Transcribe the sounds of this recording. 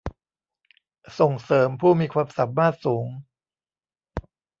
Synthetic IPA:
so˨˩ŋsɤː˩˦mpʰuː˥˩miː˧kʰwaː˧msa˨˩p̚maː˥˩t̪̚suː˩˦ŋ

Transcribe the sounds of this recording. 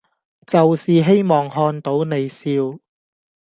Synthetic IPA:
t͡sɐ˨wsiː˨˩ɦe˥jmɔː˨˩ŋhɔː˧nt̪o˨˥wne˨˧jsiː˧w

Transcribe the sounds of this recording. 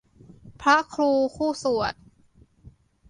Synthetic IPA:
pʰɾa˦˥kʰɾuː˧kʰuː˥˩su˨˩ət̪̚

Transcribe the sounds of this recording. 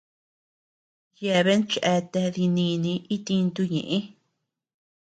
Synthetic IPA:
je˧βe˦nt͡ʃʔe˧t̪e˧ði˧nĩ˧nĩ˧i˦t̪i˧nt̪u˧ɲḛ̃˨ʔẽ˦

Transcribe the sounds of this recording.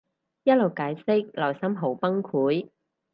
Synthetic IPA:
jɐ˥t̚lo˨˩wkaː˨˥jsɪ˥k̚lɐ˨˩jsɐ˥mɦo˨˥wpɐ˥ŋkʰuː˨˥j

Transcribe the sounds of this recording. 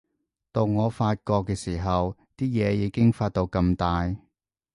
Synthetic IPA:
t̪o˧wŋɔː˨˧faː˧t̚kɔː˧kːɛː˧siː˨˩ɦɐ˨wt̪iː˥jɛː˨˧jiː˨˧kɪ˥ŋfaː˧t̚t̪o˧wkɐ˧mt̪aː˨˧j

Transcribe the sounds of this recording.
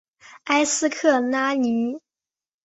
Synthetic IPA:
a˥ɪsɹ̩˥kʰɤ˥˩na˥li˧˥

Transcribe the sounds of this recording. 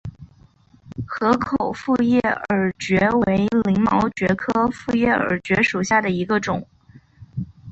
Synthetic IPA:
xɤ˧˥kʰo˨˩ʊfu˥˧jɛ˥˩ə˞˨˩t͡ɕɥɛ˧˥we˧˥ɪli˧˥ŋmɑ˧˥ʊt͡ɕɥɛ˧˥kʰɤ˥fu˥˧jɛ˥˩ə̰˞˨˩t͡ɕɥɛ˧˥ʂu˨˩ɕja˥˩d̪ə˩i˧˥ɡə˧ʈ͡ʂʊ˨˩˦ŋ

